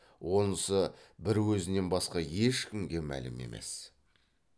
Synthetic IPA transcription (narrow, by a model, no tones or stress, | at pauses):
wo̞nəsəbɪɾwɵzɪne̞nbɑsqɑje̞ʃkʲɪmɡʲe̞mæ̰lɪme̞̰mʔe̞̰s